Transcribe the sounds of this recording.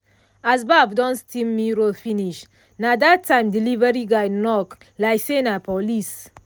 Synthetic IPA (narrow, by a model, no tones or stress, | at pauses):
asbavdɔ̃nstimmiɾofiniʃ | nadatʰːãɪ̃mdilivɛɹiɡajnɔk | lajsenapɔlis